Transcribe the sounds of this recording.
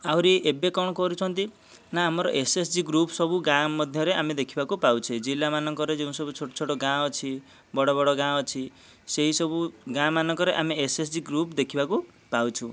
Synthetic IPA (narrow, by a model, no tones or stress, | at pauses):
awɾiebekɔɽ̃ɔkɔɾut͡ʃʰɔnt̪i | naːmɔɾɔʔesesd͡ʒiɡɾupsɔbuɡãmɔd̪ʱjɔɾeamed̪ekʰibakupawt͡ʃʰed͡ʒilamanɔŋkɔɾed͡ʒẽũsɔbut͡ʃʰoʈot͡ʃʰoʈoɡãɔt͡ʃʰi | bɔɽɔbɔɽɔɡãɔt͡ʃʰi | seɦisɔbuɡãmanɔŋkɔɾeʔamiesesd͡ʒiɡɾupd̪ekʰibaku | pawt͡ʃʰṵ̃